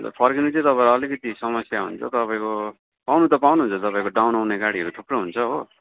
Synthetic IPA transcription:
pʰʌrkinʌt͡sʌ̃t̪ʌpaɾːlikʌt̪isʌmʌsjaɦṵnt͡sʰʌ̰t̪ʌpaĩko | pawnut̪ʌpawnuɦunt͡sʰʌt̪ʌpaĩkoɖawnawneɡaɽiɦʌɾut̪ʰuprʌɦunt͡sʰʌɦo

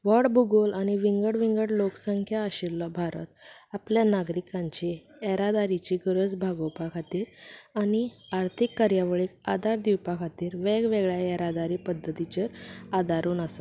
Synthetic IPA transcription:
ʋəɽbuɡolañiʋiŋɡəɽʋiŋɡəɽloksəŋkʰjaːɕiɾlɔbʱaɾə̰t̪apljanaɡɾikãɲt͡ɕi | ɛɾad̪aɾit͡ɕiːɡəɾəd͡zbʱaɡowpakʰat̪iːɾañiaɾt̪ʰikːaɾjaʋəɭikad̪aɾd̪iwpakʰat̪iːɾʋeɡʋeɡɭjaɛɾad̪aɾiːpəd̪ʱːət̪it͡ɕəɾad̪aɾuːnasa

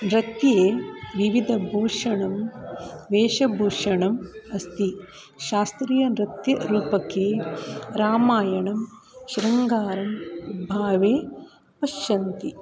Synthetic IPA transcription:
nɾɐt̪jeːʋiʋid̪ʱɐbʱoːʂɐɳɐm | ʋeːʃɐbʱuːʂɐɳɐmɐst̪i | ʃaːst̪ɾiːjɐnɾɐt̪jɐɾuːpɐkeːɾaːmaːjɐɳɐmʃiɾɐŋɡaːɾɐmbʱaːʋeː | pɐʃɐnt̪i

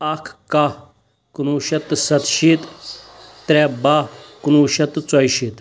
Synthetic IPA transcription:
ɐkʰka | kunuːʃɐt̪sɐt̪ʃit̪ | t̪ɾebakunuːʃɐt̪t͡swɐjʃiːt̪

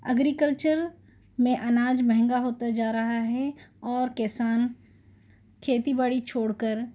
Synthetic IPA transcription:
ɐ̰ɡɾikəlt͡ʃəɾ | mẽʔɐnaːd͡ʒmɛɦɛ̃ŋɡaɦoːt̪ad͡ʒaːɾɐɦaɦɛɔːɾkɛsaːn | kʰeːt̪ibaɽit͡ʃʰoːɽkəɾ

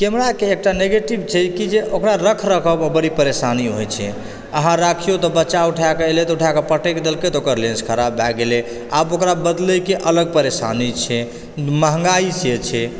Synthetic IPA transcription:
kemɾakeːk̚ʈaneɡeʈibt͡ʃʰɛkid͡ʒeʔokɾaɾəkʰɾəkʰəbəbəɾipəɾesaniɦojt͡ʃʰɛ̰ | əɦãɾakʰijot̪ɔbətːʃauʈʰakeelet̪uʈʰakepəʈeked̪elket̪ɔokəɾlẽnskʰəɾabbaɡele | a̰bokɾabəd̪ləjkeʔələɡ̚pəɾesanit͡ʃʰɛ | məɦŋɡaiset͡ʃʰɛ

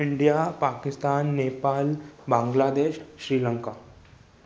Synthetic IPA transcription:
ɪɳɖijapaːkɪst̪aːnːeːpaːlbãːŋɡlaːd̪eːʃːɾiːləŋka

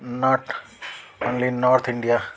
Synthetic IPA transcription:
nɔːʈ | õːnlinɔːɾt̪ʰɪ̃ɳɖija

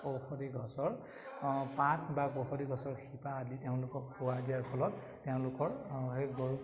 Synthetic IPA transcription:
oxɔdiɡʱɔsɔɹ | pãt̚ʰbaɡoxɔdiɡʱɔsɔɹxipaːditeʊ̃lʊkɔk̚pʰuwaziaɹpʰɔlɔtː | eʊ̃lʊkɔɹeɡoɹu

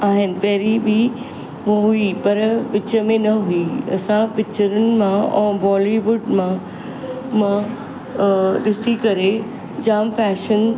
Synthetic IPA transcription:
aːɦɪnɪ̆pɐɦɾibʱi | ʋoɦuipɐɾʋɪt͡ɕəmẽnɐɦuiɐ̰sãpɪt͡ɕəɾʊnɪ̆mãɛ̃ːbɔːliʋʊɖmã | mã | ɗɪsikɐɾe | d͡ʑaːmfɛːʃən

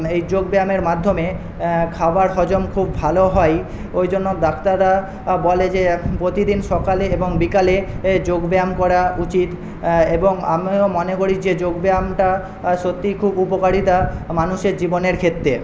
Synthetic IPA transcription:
ejd͡ʑoɡbeameɾmad̪ʱːome | kʰabaɾʃɔd͡ʑomkʰubːʱaloɦɔj | ojd͡ʑonːod̪akt̪ad̪a | boled͡ʑepɾot̪id̪inʃɔkaleeboŋbikaled͡ʑoɡbeamkɔɾaut͡ɕit̪ | eboŋa̰momɔnekoɾid͡ʑed͡ʑoɡbeamʈa | ʃot̪ːikʰubupokaɽit̪amanuʃeɾd͡ʑiboneɾkʰet̪ːɾe

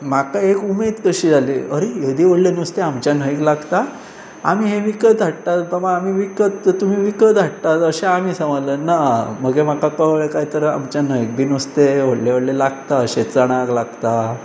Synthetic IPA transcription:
makaekumed̪kəɕiːd͡zʱaliːəɾejəd̪iːʋəɽlenəst̪eamt͡ɕjan̤əiklaɡt̪a | a̰miːɦeʋikət̪̚d͡zʱaʈt̪at̪bəmaamiːʋikət̪ət̪um̤iːʋikət̪d͡zʱaʈt̪at̪əɕeamiːsə̃ələːnaməɡem̤akakəeɭekaɦit̪əɾa̰mt͡ɕjan̤əjik̚bʱiːnəst̪eʋoɽleʋəɽlelaɡt̪aəɕet͡səɽ̃aklaɡt̪a

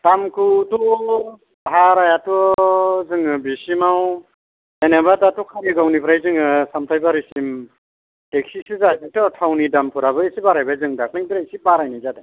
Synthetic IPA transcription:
tamkʰutu | bɦaɾajatɔzɯŋɯbisimaw | enebatatɔkʰaniɡawnipʰɾajzɯŋɯsamtʰajbaɾisim | teksisɯzajbɯŋtɔtʰawnidampʰuɾaβɯisibaɾajbajzɯŋdak̚nɯŋbiɾasibaɾajnizada

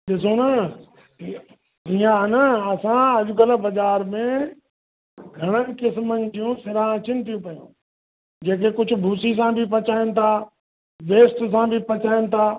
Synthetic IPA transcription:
ɗɪsonə | iãɦnəɐsãɐʄʊkələbɐzaːɾmẽ | ɡʱɐɽ̃ənkɪsmənɪ̆d͡ʒijũsɪɾãə̃t͡ɕɪnɪt̪ʰijũpɐjṵ̃ː | d͡ʑeːk̬ekʊd͡ʑʱʊ̆bʱuːsis̬ãbʱɪp̬ɐt͡ɕaːɪnɪ̆t̪ʰaː | ʋeːsʈs̬ãbʱɪpɐt͡ʃaːɪnɪ̆t̪ʰaː

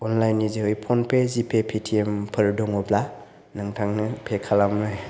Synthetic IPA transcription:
ɔnlajnizeɯjpʰɔnpʰezipʰepʰitʰiempʰɯɾdɔŋɔbla | naŋtʰaŋnɯpʰekʰalamnaj

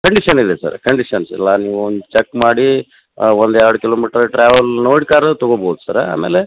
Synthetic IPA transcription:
kɐɳɖiʂɐnid̪esɐ̰ɾkɐɳɖiʂɐnsɛ̰lːaniːʋuond̪ut͡ʃekːmaːɽi | ond̪ɛɾɽukiloːmiːʈɐɾʈɾaːʋɐlnoːjɽkaːɾt̪ɔɡobʱoːd̪usɐɾa̰ːmeːle

